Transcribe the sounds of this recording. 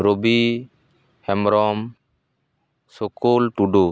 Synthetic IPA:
ɾobi | hɛmɾɔm | sokolʈuɖo

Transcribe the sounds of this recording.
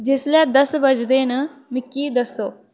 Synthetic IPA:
d͡ʒɪslɛːd̪əsbəd͡ʒd̪eːnəmɪkːiːd̪əsːoː

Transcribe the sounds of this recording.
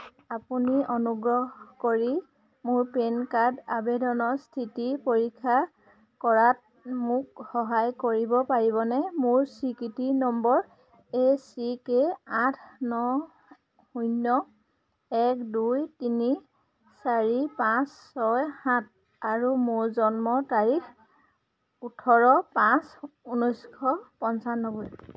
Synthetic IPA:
apuniʔonuɡɹɔɦkoɹi | mʊɹpenkaɹdabedɔnɔstʰitipoɹikʰːa | kɔɹat̚ | mʊkhɔɦajkoɹibɔpaɹiβɔnɛmʊɹsɹikitinɔmbɔɹ | esikeatʰnɔ | hujnːɔ | ɛkdujtini | saɹipãsːɔjhãt̚ | aɹumʊɹzɔnmɔtaɹix | utʰɔɹɔpãsunɔjskʰɔpɔnsanɔbɔj

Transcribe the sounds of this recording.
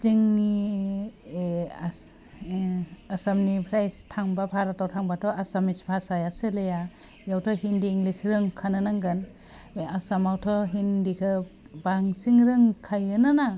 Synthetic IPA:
ziŋi | asamnipʰɾajstʰaŋbapʰaɾatʰawtʰaŋbatʰɔʔasamispʰasajasɯleja | jawtʰɔɦindiːŋɡlisɾɯŋkʰanɯnaŋɡɯn | asamawtʰɔɦindikʰɯ | baŋsiŋɾɯŋkʰajɯnɯna

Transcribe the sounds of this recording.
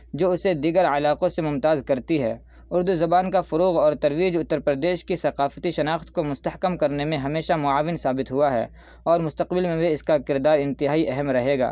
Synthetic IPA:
d͡ʒoːʊsed̪iːɡəɾɐlaːqõsemʊmt̪aːzkɐɾt̪iɦɛ̰ː | ʊɾd̪uzɐbaːnkafʊɾuːɣɔːɾt̪ɐɾʋiːd͡ʒʊt̪ːəɾpɾd̪eːʃkisɐqaːfət̪iʃɐnaːxt̪komʊst̪ɐhkəmkɐɾnemẽɦɐmeːʃamʊaːʋɪnsaːbɪt̪ɦʊaɦɛ̰ː | ɔːɾmʊst̪ɐqbɪlmẽweɪskakɪɾd̪aːɾɪ̃nt̪ɪɦaːiʔɛɦɛmɾɐɦeːɡa̰ː

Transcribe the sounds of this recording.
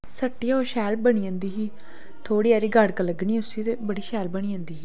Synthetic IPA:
səʈːiːaoʃɛːlbəɽ̃iːãːnd̪iːɦiː | t̪ʰoːɽiːaːɾiːɡəɽkələɡniːʊsiːt̪eːbəɽiːʃɛːlbəɽĩːãːnd̪iːɦiː

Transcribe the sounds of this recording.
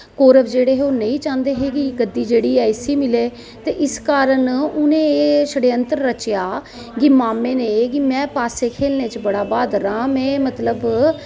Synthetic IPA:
koːɾəbʰd͡ʒeːɽeːɦoːnə̃ĩːt͡ʃãːnd̪eːɦeːkɪɡəd̪ːiːd͡ʒeːɽiːɛːɪsiːmɪleː | t̪eːʔɪskaːɾəɳʊnẽːeːsəɽeːənt̪əɾːət͡ʃjaː | ɡimaːmẽːneːkɪmɛ̃ːpaːseːkʰeːlneːt͡ʃbəɽaːbaːd̪ɾãːmɛẽːmət̪ləb

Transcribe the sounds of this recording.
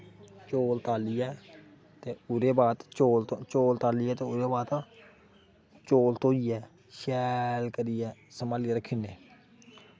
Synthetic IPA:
t͡ʃoːlt̪aːliːɛː | t̪eːʊɾeːbaːt̪t͡ʃoːlt̪õt͡ʃoːlt̪aːliːɛːt̪eːʊɾeːbaːt̪ | t͡ʃoːlt̪oːiːɛː | ʃɛːlkəɾiːɛːsəmaːliaːɾəkʰiːneː

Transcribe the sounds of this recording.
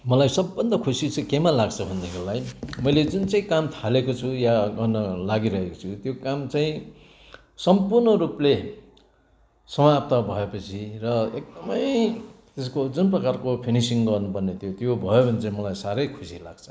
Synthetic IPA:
mʌlajsʌbːʌnd̪ʌkʰusit͡sʰʌkemalaɡt͡sʰʌbʱʌnːekʰelajmʌjled͡zunt͡saĩkamt̪ʰalekot͡sʰujaɡʌrnʌlaɡiɾʌɦekot͡sʰut̪jokamt͡saĩ | sʌmpurnʌɾuple | sʌmap̚t̪ʌbʱʌepʌt͡sʰirʌek̚d̪ʌmʌj | t̪eskod͡zunprʌkarkopʰinisiŋɡʌrnupʌrnet̪ʰjot̪jobʱʌjobʱʌnit͡saĩmʌlajsaɾʌjkʰusila̰ɡ̥t͡sʰʌ̥

